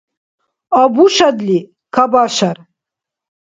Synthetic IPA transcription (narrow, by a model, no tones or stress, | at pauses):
abuʃad̪li | kʰabaʃaɾ